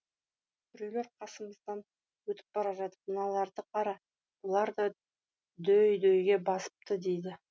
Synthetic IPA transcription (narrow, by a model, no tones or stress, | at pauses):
t̪ʰʏɾele̞ɾqʰɑsəməzd̪ɑn | wɵt̪ɪ̥p̚b̥ɑɾɑʒɑt̪əp̚mənɑlˠɑɾd̪əqʰɑɾɑ | bolˠɑɾd̪ɑ | d̪ɵjd̪ɵjɡʲe̞bɑsə̥p̚t̪əd̪ejd̪ɪ